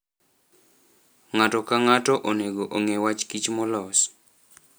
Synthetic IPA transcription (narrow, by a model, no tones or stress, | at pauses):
ŋatɔkaŋatɔʔoneɡoʔoŋewat͡ʃkit͡ʃmɔlɔs